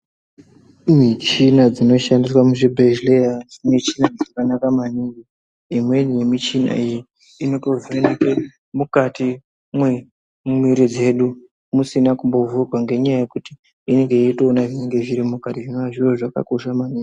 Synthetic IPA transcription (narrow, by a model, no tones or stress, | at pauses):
mit͡ʃinad͡zino̞ʃandis̬wamuʐibʱeʒlejanet͡ʃinaʐakanakamaniŋɡi | imwe̞nijemit͡ʃina̰iji | ino̞toveneke | mukati | mwe | mumwiɾid͡ze̞ːɗu | musinakumbo̞vurwaŋɡe̞ɲajaje̞kuti | ine̞ŋɡe̞itonaʐineŋɡe̞ʐiɾimukatiʐinoaʐiroʐaka̰ko̞ʃamaniŋɡi